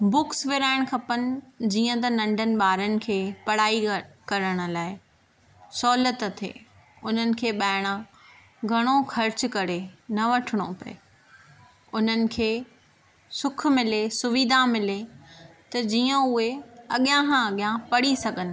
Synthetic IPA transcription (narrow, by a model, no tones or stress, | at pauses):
bʊksʋɪɾaːɪɽ̃kʰɐpənɪ̆d͡ʑiːə̃t̪ɐnɐ̃ɳɖʱənɪ̆ɓaːɾənɪ̆kʰeːpɐɽ̤aːikɐɾəɽ̃ʊ̆laːɪ | sɔːlət̪t̪ʰḛː | ʊn̤ənɪ̆kʰeːɓaːɪɽ̃ã | ɡʱɐɽ̃oxʰɐɾt͡ɕʊ̆kɐɾenɐʋɐʈʰɪɽ̃opɐ̰ḛ | ʊn̤ənɪ̆kʰeː | sʊk̆ʰmɪlesʊʋiːd̪ʱãmɪle | t̪ɐd͡ʑiːə̃ʊɦeɐɠɪjãɦãɐɠɪjãpɐɽisɐɡʱənɪ̆